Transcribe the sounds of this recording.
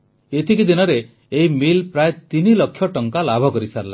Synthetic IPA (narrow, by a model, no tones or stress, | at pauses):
et̪ʰikid̪inɔɾe | eimilpɾaet̪inilɔkʰːjɔʈɔŋkalabʱɔkɔɾisaɾla